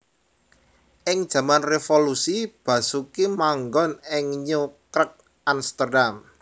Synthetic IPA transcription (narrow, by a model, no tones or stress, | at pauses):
ʔɪŋ̥ʒ̥ä̤manrefolusib̥ä̤sukimaŋɡɔnɪŋɲukɾək̚ | ʔanst̪ərdam